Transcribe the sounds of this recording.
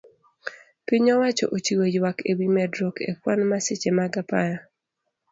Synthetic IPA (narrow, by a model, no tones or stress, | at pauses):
piɲɔwat͡ʃɔ̰ʔot͡ʃiwojwakewimɛdɾokʰḛkwanmaset͡ʃemaɡapaja